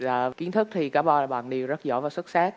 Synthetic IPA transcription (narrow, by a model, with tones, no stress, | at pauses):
zaː˨˩ki˨˦ənt̪ʰɨ˦˥k̚t̪ʰi˨˩kaː˨˦˥ɓaɔː˧˩laː˨˩ɓa̰ː˧˨nɗi˨˩əwzə˦˥t̚zɔ̰˧˦vaː˨˩wswə˦˥t̚saː˦˥k̚